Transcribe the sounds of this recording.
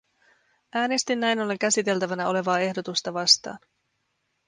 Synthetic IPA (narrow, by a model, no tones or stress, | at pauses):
ʔæːne̞st̪inːæjno̞lːeŋkæsit̪e̞lt̪æʋænæo̞le̞ʋɑːe̞hdo̞t̪ust̪ɑʋɑst̪ɑ̰ːn